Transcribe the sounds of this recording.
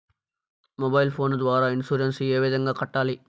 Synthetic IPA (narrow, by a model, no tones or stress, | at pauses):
mobɐjlpʰoːnd̪ʋaːɾaːinsuːɾenseːʋid̪ɐŋɡaːkɐʈːaːli